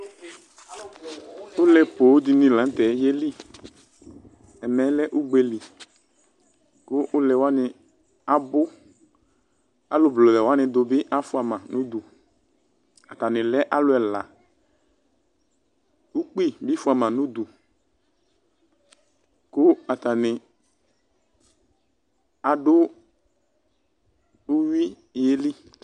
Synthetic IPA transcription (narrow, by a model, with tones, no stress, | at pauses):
ʊ˦lɛ˨po˨˦d̪i˨nĩ˨lã˨˦n˦tɛ˨˦jɛ˦li˦ | ɛ˨mɛ˨˦lɛ˦ʔʊ˦ɡ͡be˨li˨ | kʊ˦ʔʊ˦lɛ˨wa˦nɪ˨ | a˦bʊ˦ | a̰˨lʊ˨blo˨lɛ˨wa˦nɪ̃˨d̪ʊ˨bɪ˦ʔa˦fʊ˦a˨mã˨nʊ̃˦d̪u˨ | a˨ta˨nɪ̃˨lɛ˦ʔa˦lʊ˦ɛ˨la˨ | u˦k͡pi˦bɪ˦fʊ˦a˨mã˨nʊ˦d̪u˨ | kʊ˦a˨t̪a˨nɪ˨ | a˨ɖʊ˦ | ʊ˦wi˦˨ | e˦li˦